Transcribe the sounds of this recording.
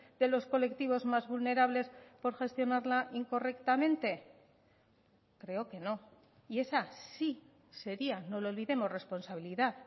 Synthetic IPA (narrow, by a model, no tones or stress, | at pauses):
d̪e̞lo̞sko̞le̞kt̪iβ̞o̞zmazβulne̞ɾaβle̞spo̞ɾxe̞st̪jo̞naɾlaʔiŋko̞re̞kt̪amẽ̞nt̪e̞ | kɾe̞o̞ke̞no̞ | ie̞sasi | se̞ɾiano̞loolβiðe̞mozre̞spo̞nsaβ̞iliðað